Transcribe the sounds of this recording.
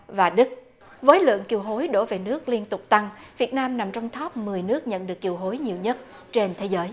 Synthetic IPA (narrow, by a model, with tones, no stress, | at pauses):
vaː˨˩ɗɨ˦˥k̚ | vəː˨˦jlɨ̰˧˨əŋki˨˩əwɦo˨˦jɗo˧˩ve˨˩nɨ˦˥ək̚li˧ənt̪ʊ˨˩k͡p̚t̪a˧ŋvi˨˩ət̚naː˧mna˨˩mt͡ɕɔ˧wŋ͡mt̪ʰɔː˦˥p̚mɨ˨˩əjnɨ˦˥ək̚ɲə̰˧˨nɗɨ˨˩əkːi˨˩əwɦo˨˦jɲi˨˩əwɲə˦˥t̚ | t͡ɕe˧nt̪ʰe˨˦zəː˨˦j